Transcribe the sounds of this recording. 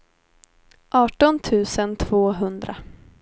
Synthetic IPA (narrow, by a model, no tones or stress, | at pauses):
ʔɑːʈɔnt̪ʰʉ̟ːsənt̪ʰv̥oːɦɵnd̪ɾa̰